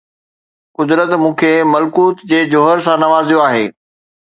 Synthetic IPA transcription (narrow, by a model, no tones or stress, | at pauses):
kʊd̪ɾət̪mũːkʰemɐlkuːt̪d͡ʑeːd͡ʑoɦəɾsãnɐʋaːzijoaːɦeː